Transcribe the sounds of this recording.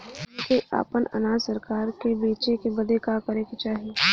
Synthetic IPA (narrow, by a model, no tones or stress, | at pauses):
keʔa̰ːpənɐ̰nãːsɐɾkaːɾkebeːt͡ʃekebɐd̪ekakɐɾẽkit͡ʃaːɦije